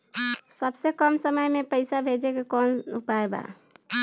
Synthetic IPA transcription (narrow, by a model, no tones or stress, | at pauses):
səbsekəmsəməjmepəɪsabʱed͡ʒekekɔnupaeba̰